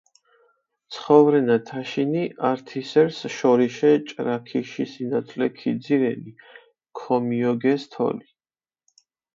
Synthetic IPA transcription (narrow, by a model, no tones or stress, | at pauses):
t̪sʰχɔvɾɛnat̪ʰaʃiniʔaɾt̪ʰisɛɾsʃɔɾiʃɛt͡ʃʼɾakʰiʃisinat̪sʰʼlɛkʰid̪ziɾɛni | kʰɔmiɔɡɛst̪ʰɔ̰li